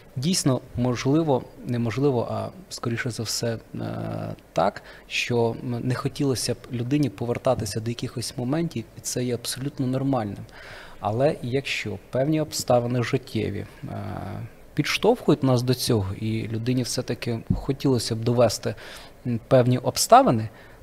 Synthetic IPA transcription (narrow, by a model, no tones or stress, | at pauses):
dʲijsʲnɔmɔʒlˠɪʋɔnɛmɔʒlˠɪʋɔ̰ʔɐ̰skɔɾʲiʃɔzɐwsɛ | t̪ɑ̰kʃt͡ʃɔnɛxɔtʲilˠɔsʲɐblʲʊd̪ɪnʲipɔʋert̪ɑt̪ɪsʲɐd̪ɔjɐkʲɪxɔsʲmɔmɛnʲtʲiwit̪sɛjɛɐpsɔlʲut̪nɔnɔrmɑlʲnɪm | ɐ̰lˠɛjɐkʃt͡ʃɔpɛwnʲiɔpst̪ɑʋenɪʒɪtʲʰːɛ̰ʋʲḭ | pʲid̪ʃt̪ɔwxʊjʊtʲnɑsd̪ɔt͡sʲɔɦɔʔilʲʊd̪ɪnʲiwsɛt̪ɐkɪxɔtʲilˠɔsʲɐb̚d̪ɔʋɛst̪ɪ | pɛwnʲiʔɔpst̪ɑʋenɪ